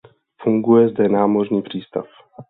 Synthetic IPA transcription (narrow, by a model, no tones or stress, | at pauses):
fuŋɡujɛzdɛnaːmo̞rɲiːpr̝̥iːst̪a̰f